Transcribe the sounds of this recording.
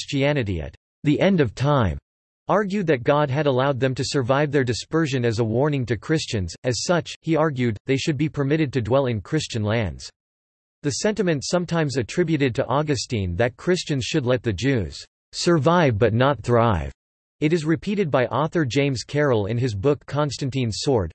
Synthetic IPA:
st͡ʃiænɨɾḭɨ̰t̪̚ | ðiʔɛ̃ndʌv̥tʰãɪ̃m | ɑɹɡjʉd̪̚ðɨt̚ɡ̥ɑd̚ɨɾəlaʊd̪̚ðɨ̃mtɨsə˞vaɪvðə˞dɨspɜ˞ʒɨ̃nɨzəwɔɹnɪ̃ŋtɨkʰɹ̥ɪst͡ʃɨ̃nzɨz̥sʌt͡ʃhiɑɹɡjʉd̪̚ðeɪʃɨd̚bipʰə˞mɪɾɨd̚tɨdwɛlˠɨ̃nkʰɹ̥ɪst͡ʃɨ̃nlæ̃ndz̥ | ðɨsɛ̃ntɨmɨ̃ntsʌ̃mtʰãɪ̃mzɨtʰɹ̥ɪbjʉɾɨd̚tʰɨʔɑɡɨstĩnðɨt̚kʰɹ̥ɪst͡ʃɨ̃nz̥ʃɨdˡlɛt̪̚ðɨd͡ʒʉz̥ | sə˞vaɪvbʌtⁿnət̪̚θɹaɪv | ɨɾɨzɹɨpʰiɾɨd̚baɪʔɑθə˞d͡ʒẽɪ̃mz̥kʰɛɹl̩ˠɪ̰̃nɨzbʊkʰːɑ̃nstɨ̃ntĩnsɔɹd̥

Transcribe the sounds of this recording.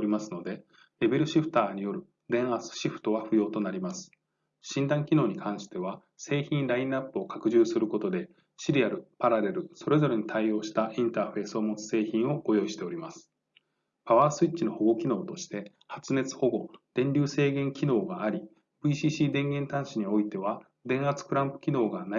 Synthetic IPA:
ɾʲimasɨno̞d̪e̞ | ɾe̞be̞ɾɯ̟ɕiɸɯ̟̥t̪aːɲ̟ijo̞ɾɯ̟ | d̪ẽ̞ɰ̃asɨ̥ɕiɸɯ̟̥t̪o̞βaɸɯ̟jo̞ːt̪o̞naɾʲimasɨ̥ | ɕĩnd̪ãŋkʲino̞ːɲ̟ikʰãɰ̃ɕi̥t̪e̞β̞a | se̞ːçĩnɾaĩnapːɯ̟o̞kakɯ̟ʑɨːsɨɾɯ̟ko̞t̪o̞d̪e̞ | ɕiɾʲiaɾɯ̟paɾaɾe̞ɾɯ̟so̞ɾe̞zo̞ɾe̞ɲ̟it̪ʰaio̞ːɕi̥t̪aʔĩnt̪aːɸe̞ːsɨo̞mo̞t͡sɨ̥se̞ːçĩɰ̃o̞ɡ̥o̞jo̞iɕi̥t̪e̞o̞ɾʲimasɨ̥ | paβaːsɨitt͡ɕino̞ho̞ɡo̞kʲino̞ːt̪o̞ɕi̥t̪e̞ | hat͡sɨne̞t͡sɨ̥ho̞ɡo̞d̪̥ẽ̞ɲʲɾʲɨːse̞ːɡẽ̞ŋkʲino̞ːɡaːɾʲi | bɯ̟iɕiːɕiːd̪ẽ̞ŋɡẽ̞nt̪ãɰ̃ɕiɲ̟io̞it̪e̞βa | d̪ẽ̞ɰ̃at͡sɨ̥kɯ̟ɾãmpɯ̟̥kʲino̞ːɡana

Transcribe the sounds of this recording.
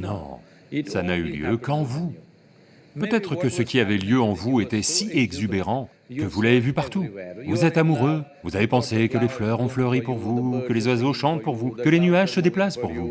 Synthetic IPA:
nɔ̰̃ | sanay̰ljø̰kɑ̃vu | pøt̪ɛt̪χəkəsəkʲiavɛljøɑ̃vuet̪ɛsiʔɛɡzybeʁɑ̃ | kəvulavevypaʁt̪uvuzɛt̪amuʁøvuzavepɑ̃sekəleflœʁɔ̃flœʁipuʁvukəlezwazoʃɑ̃t̪̚puʁvukəlenyaʒsəd̪eplaspuʁvu

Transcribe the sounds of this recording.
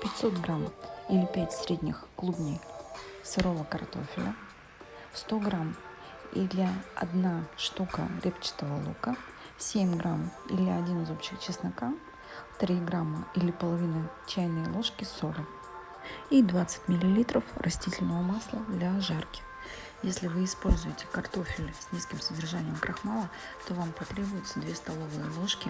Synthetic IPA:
pʲɪtʲso̞t̪ɡɾamilʲɪpʲætʲsʲɾʲedʲnʲɪxklˠubnʲɪjsɨɾo̞vəkɐrt̪o̞̰fʲɪlʲə | st̪o̞ɡɾam | ḭd̪lʲɪɐ̰d̪naʂt̪ukə̰ɾʲʔept͡ɕɪ̥t̪əvəlˠukə | sʲemʲɡɾʔamḭlʲɪɐdʲinɨzo̞pɕɪxt͡ɕɪsnɐka | t̪ɾʲiɡɾamːəilʲɪpəlˠɐvʲinət͡ɕæjnɨjəlˠo̞ʂkʲɪso̞ɾək | id̪vat̪sɨ̥t̚ʲmʲɪlʲɪlʲit̪ɾəfrʔɐsʲtʲitʲɪlʲnəvəmaslˠəd̪lʲɐʐarkʲɪ̥x | jesʲlʲɪvɨɪspo̞lʲzʊjɪtʲɪ̥kɐrt̪o̞fʲɪlʲɪsʲnʲiskʲɪmsədʲɪrʐanʲɪjəmkɾʔɐxmalˠə | t̪o̞vampɐt̪ɾʲe̞bʊjʊt̪səd̪vʲe̞st̪ɐlˠo̞vɨjəlˠo̞ʂkʲɪ

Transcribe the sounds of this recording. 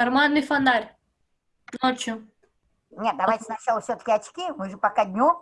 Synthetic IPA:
ɾmad̪ifɐnd̪aɾʲ | not͡ʃʊ | nʲetd̪ɐvajtʲɪnɐt͡ʃalˠəfsʲot̪ə̥kʲɪɐt͡ʃkʲimɨʐɨpakad̪ʲnʲu

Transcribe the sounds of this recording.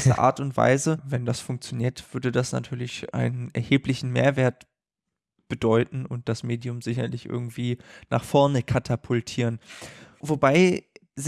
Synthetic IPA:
sə̰ʔa̰ːɐtʊntv̥a̰ɪzəvɛndasfʊŋk̚t͡sjoniːɐtv̥ʏɐdədasna̰tʰyːɐlɪçʔa̰ɪnənɛɐheːplɪçn̩mḛːɐveːɐt | b̥ədɔʏtn̩ʊnt̚d̥asmeːdiʊmzɪçɐlɪçʔɪ̰ɐɡŋ̩tv̥iːna̰ːχfɔɐnəkʰatʰapʰʊltʰiːʁənvobaɪ | z

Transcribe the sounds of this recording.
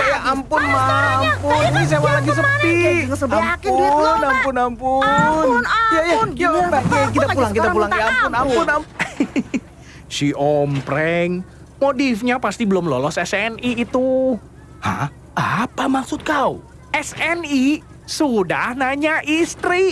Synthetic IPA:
jaʔampʊnmampʊnis̬ewalaɡisəəp̪isampnampʊnampʊnjajajabaɡk̬it̪aulaŋkit̪apulaŋjaampʊnapʊna | siʔɔmpɾɛŋ | modifɲapast̪ibəlʊmlɔ̰lɔsɛsɛniːt̪u | ha̰ | apamaksʊt̪̚kaw | ʔɛsɛni | sudahnaɲaʔist̪ɾi

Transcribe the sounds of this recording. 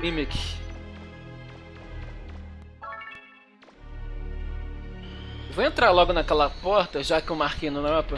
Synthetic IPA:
ĩmik | vowẽnt̪ɾaɾlɔɡʊnakɛlɐpɔɾt̪ɐʒakɪewmahkejnɐnɔɾɐpɾõ

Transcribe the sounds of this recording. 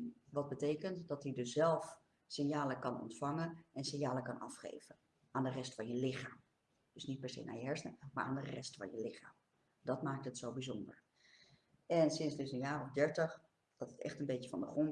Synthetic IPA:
ʋɑd̚bətejkəntdɑtidɵszɛlˠf | sɪnjaːləkɑnɔ̰ntfɑŋənɛnsɪnjaːləkɑnɑ̰fχḛjv̥ən | aːndərɛstfɑnjəlɪχaːm | d̥ɵsnit̚pɛɹsḛjna̰ːjəɦɛɹsnəma̰ːɹa̰ːndərɛ̰stfɑ̰njəlɪχaːm | dɑtmaːk̚tətsowbizɔndə̰ɹ | ɛnsɪnszdɵsənjaːrɔvdɛɹtəχ | d̥ɑtətɛ̰χtənbejtəvɑ̰ndəχrɔn

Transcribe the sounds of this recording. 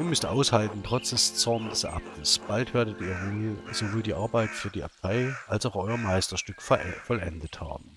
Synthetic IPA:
ʔiːɐmʏstʔa̰ʊshaltn̩tʁ̥ɔt͡sd̥ɛst͡sɔɐndɛsʔa̰p̚tʰəsb̥altv̥eːɐdətiːɐmyːz̥ovoːldiːʔaɐbaɪtfyːɐdiːʔa̰pʰaɪʔalsaʊxʔɔʏɐmaɪstɐʃtʏkfɔlɛ̰ndətha̰ːbm̩

